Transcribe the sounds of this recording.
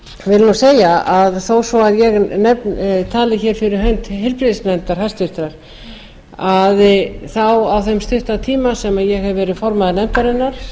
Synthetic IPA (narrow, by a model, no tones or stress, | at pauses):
vɪlnuseːjaaðθowsɔaðjɛɣnɛpnt̪ʰaːlɪçɛːɾ̥fɪɾɪɾ̥ɦœɥnt̪ɦɪɾpɾɪðsnɛnt̪aɾ̥hḁst̪ʏht̪ɾaɾ̥ | aðθawawθɛmst̪ʏht̪at̪ʰiːmasɛmaðjɛɣhɛvːɛːɾɪðfɔɾmaðɪɾnɛmt̪aɾɪnːaɾ̥